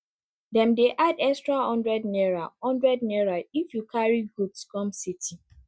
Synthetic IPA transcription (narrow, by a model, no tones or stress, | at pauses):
dɛ̃mdeʔadɛkstɹahɔ̃ndɹɛdnɛɹahɔ̃ndɹɛdnɛɹaifjukʰaɹiɡudskɔ̃msiti